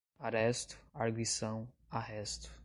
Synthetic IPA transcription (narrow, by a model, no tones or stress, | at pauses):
aɾɛst̪ʊ̥aɾɡisɐ̃w̃ | aɦɛst̪ʊ̥